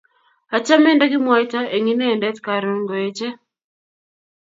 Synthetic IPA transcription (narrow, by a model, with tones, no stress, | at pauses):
a˨t͡ʃa˦mɛ˦nda˦ɡɪ˦mwa˦jta˦e˨ŋi˦neː˦˨ndɛ˦tka˨ɾo˨ŋɡo˨e˨t͡ʃe˦